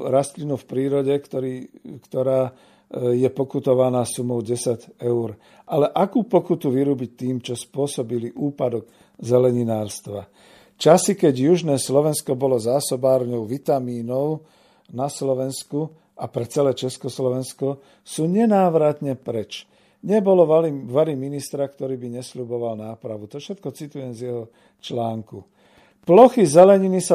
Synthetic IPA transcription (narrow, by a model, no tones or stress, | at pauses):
ɾast̪linufpɾiːɾɔɟɛkt̪ɔɾikt̪ɔɾaː | jɛpɔkut̪ɔʋanaːsumɔʊɟɛsaɟɛʊɾ | ʔalɛʔakuːpɔkut̪uʋiɾuːbic̚t̪iːmt͡ʃɔspʊɔsɔbiliʔuːpad̪ɔɡ | zɛlɛɲinaːɾst̪ʋa | t͡ʃasikɛɟjuʒnɛːslɔʋɛnskɔbɔlɔzaːsɔbaːɾɲɔʊʋit̪amiːnɔʊ | naslɔʋɛnsku | apɾɛt͡sɛlɛːt͡ʃɛskɔslɔʋɛnskɔ | suːɲɛnaːʋɾat̪ɲɛpɾɛt͡ʃ | ɲɛbɔlɔʋaɾiminist̪ɾakt̪ɔɾiːbiɲɛslubɔʋalnaːpɾaʋut̪ɔfʃɛt̪̚kɔt͡sit̪ujɛmzjɛɦɔ | t͡ʃlaːŋku | plɔxizɛlɛɲinisa